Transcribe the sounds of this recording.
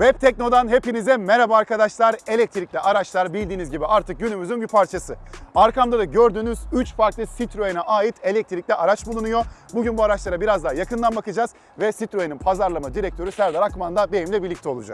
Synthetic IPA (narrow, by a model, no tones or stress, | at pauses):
vɛp̚t̪ʰɛc̚no̞d̪anɦe̞pinizd̪ɛmeɾabaːɾkad̪aʃlˠaɾe̞lʲɛc̚t̪ʰiɾicʲlʲiʔaɾat͡ʃlˠaɾbilʲd̪iːnizɟibiʔaɾt̪ʰɯk̚ɟynymyzynbipʰaɾt͡ʃʰasɯaɾkamd̪ad̪aɟøɾd̪yːnyzyt͡ʃfaɾklˠɯsit̪ɾojinaʔaːjit̪ʰe̞lʲɛc̚t̪ʰiɾic̚lʲiʔaɾat͡ʃbulˠunujo̞buɟynbuaɾat͡ʃlˠaɾabiɾazd̪aɦjakʰɯnd̪ˠanbakɯd͡ʒaːz | vɛsit̪ɾojeninpʰazaɾlˠamad̪iɾɛc̚t̪ʰø̞ɾysæɾd̪aɾakmand̪abejimlʲibiɾlʲic̚t̪ʰɛo̞lˠud͡ʒa̰k